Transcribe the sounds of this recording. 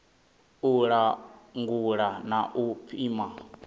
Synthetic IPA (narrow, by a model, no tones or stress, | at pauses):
uɺaŋɡuɺanaʔupʰiːma